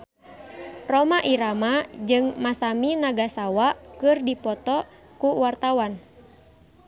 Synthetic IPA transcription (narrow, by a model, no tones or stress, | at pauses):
rɔmaʔiɾamad͡ʒɨŋmasaminaɡasawakɨrdipɔt̪ɔ | kuwart̪awan